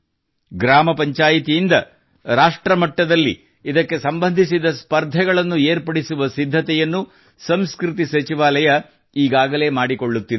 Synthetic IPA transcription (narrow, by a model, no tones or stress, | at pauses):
ɡɾaːmɐpɐɲt͡ʃaːjit̪ijind̪ɐ | ɾaːʂʈɾɐmɐʈːɐd̪ɐlːḭː | d̪ɐkːe̞sɐmbɐnd̪ʱisid̪ɐspɐɾd̪ʱɐɡɐɭɐnːueːɾpɐɽisuʋɐsid̪ʱːɐt̪ɛjɐnːu | sɐmskɾit̪isɐt͡ʃiʋaːlɐjɐ | iːɡaːɡɐle̞ːmaːɽiko̞ɭːut̪ːi